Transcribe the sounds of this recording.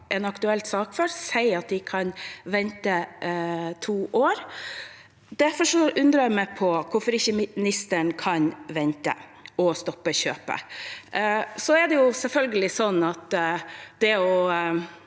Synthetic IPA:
ʔɛnɑkt̪ʉɛlt̪sɑːkfɔɾsæɪɑt̪̚d̪ɪkʰɑnʋɛnt̪ə | t̪ʰuːʔoːɾ | d̪æɾfɔʂɔʔʉnd̪ɾəɑjæmæɪpʰɔkʰʊfɔɾɪçəmnɪst̪əɳkʰɑnʋɛnt̪ə̰ɔst̪ɔpːəɕø̰ːpə̰ | sɔɛɖ̪ɛjʊsɛlfœlɡəlɪsɔnːɑt̪ | d̪̥ɛɔ

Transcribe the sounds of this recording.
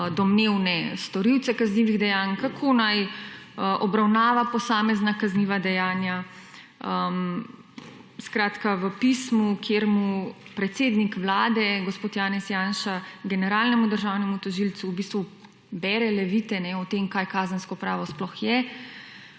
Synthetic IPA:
d̪ɔmneːwnɛst̪ɔɾiwt̪sɛkazniːʋiɣd̪ɛjaːnkakʰoːnaj | əʔɔbɾawnaːʋapɔsaːmɛznakazniʋad̪ɛjaːnja | əm | skɾaːt̪kaʋəpismukʰjeɾmupɾɛt̪seːd̪nikʋlaːd̪ɛɡospoːt̪jaːnɛsjaːnʃaɡɛnɛɾaːlnɛmud̪əɾʒaːwnɛmut̪ɔʒilt̪suːbiːst̪ʋu | bɛɾɛlɛʋiːt̪ɛnɛɔt̪emkajkaːzənskɔpɾaːʋɔsplɔxjɛ

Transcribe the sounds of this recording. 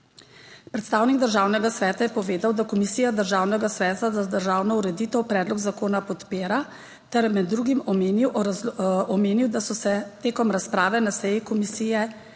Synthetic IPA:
pɾɛt̪st̪aːwniɡd̪əɾʒaːwnɛɡasʋɛːt̪ajɛpɔʋeːd̪awd̪akɔmisiːjad̪əɾʒaːwnɛɡasʋɛːt̪ad̪ad̪əɾʒaːwnɔuɾɛd̪iːt̪ɔwpɾɛːd̪lɔɡzakoːnapɔt̪peːɾa | t̪ɛɾmɛd̪ːɾuːɡimɔmeniw | ɔmeːniwd̪asɔsɛt̪eːkɔmɾaspɾaːʋɛnasɛjikɔmisiːjɛ

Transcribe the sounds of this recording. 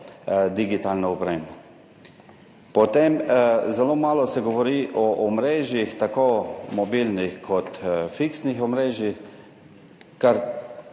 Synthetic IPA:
d̪iɡit̪aːlnɔɔpɾeːmɔ | pɔt̪emzɛlomaːlɔsɛɡɔʋɔɾiʔɔʔɔmɾeːʒjixt̪akomɔbilnixkʰɔt̪fiksnixɔmɾeːʒjix | kaɾ

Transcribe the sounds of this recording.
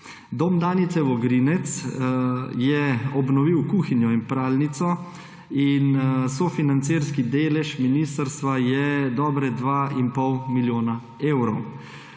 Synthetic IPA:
d̪oːmd̪aːnit̪sɛʋɔɡɾinɛt̪s | jɛɔbnɔʋiwkuːxinjɔinpɾaːlnit̪sɔ | insofinant̪seɾskid̪eːlɛʃminist̪əɾst̪ʋajɛd̪ɔːbɾɛd̪ʋaːinpɔwmiljoːna | eːwɾɔw

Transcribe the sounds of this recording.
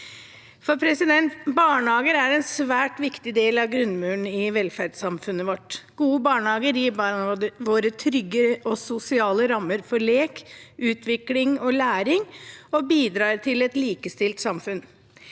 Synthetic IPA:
fɔɾpʰɾɛsɪd̪ɛnt̪bɑːɳəhɑːɡəɾæɾɛnsʋæːʈʋɪkt̪ɪd̪eːlɑɡɾʉnːmʉːɳɪʋɛlfæɾɖsɑmfʉnːəʋɔʈɡ̥uːəbɑːɳəhɑːɡəɾjiːbɑʋoːɾət̪ʰɾʏɡəɔsʊsɪɑːləɾɑmːəɾfɔɾɭeːkʔʉːt̪ʰʋɪklɪŋɔlæːɾɪŋɔbiːd̪ɾɑːɾt̪ʰɪlɛt̪liːkəst̪ɪlt̪sɑmfʉn

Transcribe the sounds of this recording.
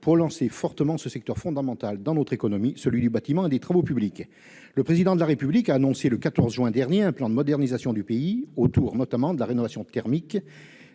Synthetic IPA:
puʁlɑ̃sefɔʁt̪əmɑ̃səsɛk̚t̪œʁfɔ̃d̪amɑ̃t̪ald̪ɑ̃nɔt̪χekɔnɔmisəlɥid̪ybat̪imɑ̃ed̪et̪χavopyblik | ləpχezid̪ɑ̃d̪əlaʁepyblikaːnɔ̃seləkat̪ɔʁzʒwɛ̃d̪ɛʁnjeɛ̃plɑ̃d̪əmɔd̪ɛʁnizasjɔ̃d̪ypeiot̪uʁnɔt̪amɑ̃d̪əlaʁenɔvasjɔ̃t̪ɛʁmik

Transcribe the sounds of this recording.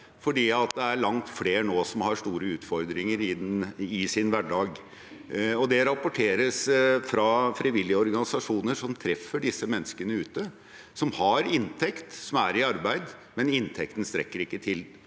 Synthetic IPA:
fɔɖiːɑt̪d̪ɛæɾɭɑŋt̪fleːɾnoːsɔmhɑʂt̪uːɾəʉːt̪fɔɾd̪ɾɪŋəɾɪɪsɪnʋæɖɑːɡ | ɔd̪ɛɾɑpːʊʈʰeːɾəsfɾɑfɾɪʋɪlːɪəɔɾɡɑnɪsɑʂuːnəʂɔmt̪ʰɾɛfːəɖɪsːəmɛnːəskənəʉːt̪ə | sɔmhɑɾɪnt̪ʰɛkt̪sɔmæɾɪɑɾbæɪd̪mɛnɪnt̪ʰɛkt̪n̩st̪ɾɛkːəɾɪkːət̪ʰɪl

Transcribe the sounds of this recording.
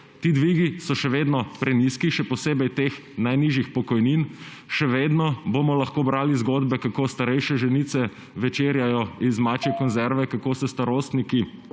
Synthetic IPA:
t̪iːd̪ʋiːɡisɔʃɛʋeːd̪nɔpɾɛniskiʃɛpɔseːbɛjt̪eːx | najniʒjixpɔkɔjnin | ʃɛʋeːd̪nɔbomɔlɐxkoːbɾaːlizɡoːd̪bɛkakoːst̪aɾɛjʃɛʒɛnit̪sɛ | ʋɛt͡ʃeːɾjajɔizmat͡ʃɛkɔnzɛɾʋɛkakoːsɛst̪aɾoːst̪niki

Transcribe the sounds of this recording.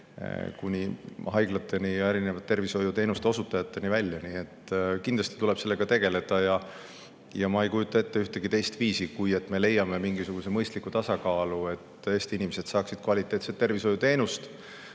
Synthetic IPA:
kunʲihɑjɡ̥lɑt̪ːˑe̞nijɑe̞ɾine̞vɑt̪ːe̞rviso̞jut̪e̞ːnust̪eo̞sut̪ːˑɑjɑt̪ːˑe̞nivælʲːjɑniet̪ːkind̪lɑst̪i̥t̪ule̞b̥se̞lːe̞ɡ̥ɑt̪e̞ɡe̞le̞d̪̥ɑjɑ | jɑmɑejkujut̪ːˑɑe̞t̪ːeyht̪e̞ɡ̥it̪e̞jst̪viːsikuje̞t̪ːˑme̞le̞jːɑme̞miŋɡisuɡ̥use̞mɤjst̪likːut̪ɑsɑkɑːlue̞t̪ːˑe̞ːst̪iinimese̞d̪̥sɑːksid̪̥̚kvɑlʲit̪ːˑe̞ːt̪se̞t̪ːe̞rviso̞jut̪eːnust̪

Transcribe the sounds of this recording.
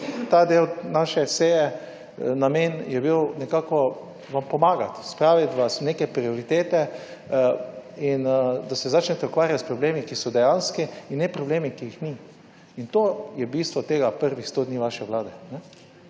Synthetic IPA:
t̪ad̪ewnaːʃɛseːjɛ | nameːnjɛbiwnɛkaːkɔ | ʋampɔmaːɡat̪spɾaːʋit̪ʋasnekɛpɾiɔɾit̪eːt̪ɛ | ind̪asɛzat͡ʃnɛt̪ɛɔkʋaːɾjat̪spɾɔbleːmikisɔd̪ɛjanskiinnːɛpɾɔbleːmikiixni | int̪oːjɛbiːst̪ʋɔt̪eːɡapəɾʋixst̪oːd̪niʋaʃɛʋlaːd̪ɛnɛ

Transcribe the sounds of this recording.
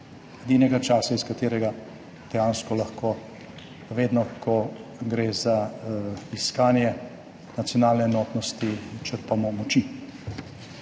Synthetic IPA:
ɛd̪iːnɛɡat͡ʃaːsaiskat̪eːɾɛɡa | d̪̥ɛjaːnskɔlaxkʰoː | ʋeːd̪nɔkʰɔɡɾeːza | iskaːnjɛ | nat̪sjɔnaːlnɛːnɔːt̪nɔst̪it͡ʃəɾpamɔmɔt͡ʃi

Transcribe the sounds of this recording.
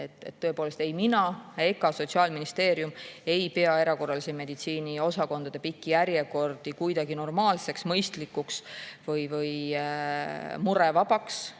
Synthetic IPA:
e̞t̪ːˑḛt̪ːøepoːle̞st̪e̞jminɑe̞kːɑso̞t̪ʲsiɑːlminist̪e̞ːɾjume̞jpe̞ɑe̞ɾɑko̞rɑliseme̞d̪it̪siːnio̞sɑko̞nd̪̥ɑd̪e̞pikːijæɾjeko̞rd̪̥ikujd̪ɑɡ̥ino̞rmɑːlse̞ksmɤjst̪likːˑuksvɤjvɤj | muɾe̞vɑb̥ɑks

